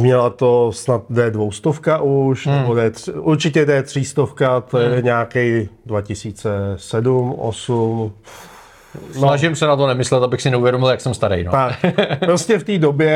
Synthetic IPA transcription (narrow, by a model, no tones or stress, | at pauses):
mɲɛlat̪osnat̪̚dɛdvo̞wst̪ofkaʔuʃnɛbodɛt̪ʔuɾt͡ʃɪcɛdɛt̪r̝̥iːst̪ofkat̪ojɛɛɲaːkɛjdvacɪsiːt͡sɛsɛdumʔo̰sum | onaʒɪmsɛnat̪onɛmɪslɛt̪abɪxsɪnɛuvjɛdomɪljaksɛmst̪aɾɛ̰jnot̪akppɾoscɛft̪iːdobjɛ